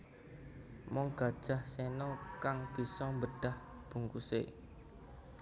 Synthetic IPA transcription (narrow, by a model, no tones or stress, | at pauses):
mɔŋɡ̥ä̤d̥ʒ̥a̤hsɛnɔkaŋb̥i̤sɔmbəɖ̥ah | b̥ṳŋkusḛ